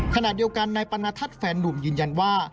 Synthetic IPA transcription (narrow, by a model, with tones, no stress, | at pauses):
kʰa˧na˨˩t̪̚di˧əwka˧nːaː˧jpa˧naː˧t̪ʰa˦˥t̪̚fɛː˨˧nːu˨˩mjɯː˨˧nja˧nwaː˥˩